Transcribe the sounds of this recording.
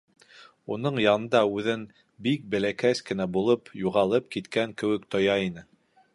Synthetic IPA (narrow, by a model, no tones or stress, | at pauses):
unɤɴjɑnɤ̆nd̪ɑʉðɘn | bik̚bɘ̆lækæskɘ̆næbulˠɤpjuʁɑlˠɤp̚kit̪kæŋkɘ̆wɘ̆kt̪ojɑinɘ